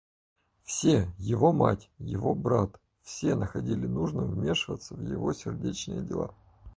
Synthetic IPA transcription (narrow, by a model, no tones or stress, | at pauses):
fsʲejɪvo̞matʲjɪvo̞brat̪ | fsʲe̞nəxɐdʲilʲɪnuʐnɨmvmʲe̞ʂɨvət̪səvjɪ̰vo̞sʲɪrdʲet͡ɕnɨjədʲɪlˠa̰